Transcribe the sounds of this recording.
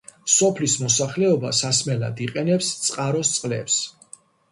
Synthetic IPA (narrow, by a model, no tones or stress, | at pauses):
sɔpʰlismɔsaχlɛɔba̰sasmɛla̰d̪iqʼɛnɛpst̪sʼqʼaɾɔst̪sʼqʼlɛ̰ps